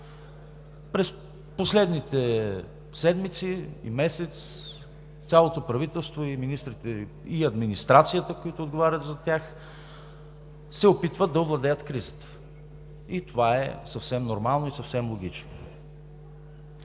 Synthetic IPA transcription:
pɾɛs | poslɛd̪nit̪ɛ | sɛd̪mit̪siḭmɛsɛt̪sʲ | jalˠot̪opɾɐvit̪ɛlˠst̪voiminist̪ɾit̪ɛ | iɐd̪minist̪ɾat̪sijət̪əkojit̪ʊːd̪ɡovaɾʲət̪zɐt̪ʲjax | sɛopit̪vəd̪ɐovlˠɐd̪ɛjət̪kɾizət̪ə̥ | it̪ovaɛ̰sɐfsɛmnoɾmalˠnoisɐfsɛmlˠoɡ̟ʲit͡ʃno̰

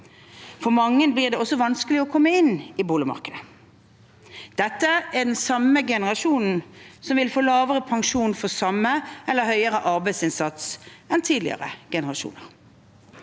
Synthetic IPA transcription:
fɔʁmɑŋːənbliːʁd̪ɛɔsːɔʋɑnskəlɪɔkʰɔmːəɪnɪbuːləmɑ̰ʁkəd̪ə | d̪̥ɛt̪ːəæd̪ɛnsɑməɡɛnəʁɑʃuːnn̩sɔmʋɪlfoːlɑːʋəʁəpʰɑŋʃuːnfɔsɑmːəɛlːəhœʏəɾəʔɑɾbæɪsɪnsɑt̪sɛnt̪ʰiːd̪lɪ̰ə̰ʁə̰ɡ̥ɛnəʁɑʃṵːnəʁ

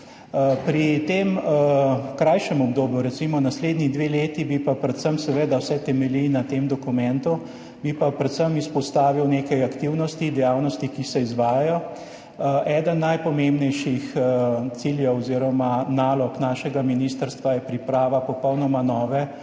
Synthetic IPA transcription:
pɾit̪em | kɾajʃɛmɔbd̪oːbjuɾɛt̪simɔnasleːd̪nid̪ʋeːleːt̪ibipapɾɛt̪səmsɛʋeːd̪awsɛt̪ɛmɛlinat̪emd̪ɔkumɛnt̪u | bipapɾɛt̪səmispɔst̪aːʋiwneːkajakt̪iwnɔst̪id̪ɛjaːwnɔst̪ikisɛizʋaːjajɔ | ʔɛːd̪ənːajpɔmẽmbnɛjʃixt̪siljɛwɔziɾɔmanaːlɔknaːʃɛɡaminist̪əɾst̪ʋajɛpɾipɾaːʋapɔpɔwnɔmanɔːʋɛ

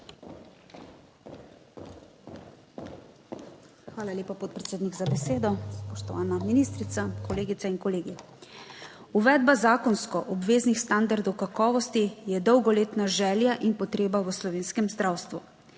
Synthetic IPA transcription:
xʋaːlalʲeːpapɔt̪̚pɾɛt̪seːd̪niɡzabɛseːd̪ɔspɔʃt̪ɔʋaːnaminist̪ɾit̪sakɔleːɡit̪sainkɔleːɡi | uʋɛːd̪bazaːkɔnskɔʔɔbʋeːznixst̪and̪aɾd̪ɔwkakɔːʋɔst̪ijɛd̪ɔwɡɔleːt̪naʒɛːljaʔinpɔt̪ɾeːbaʋəslɔʋeːnskɛmzd̪ɾaːwst̪ʋu

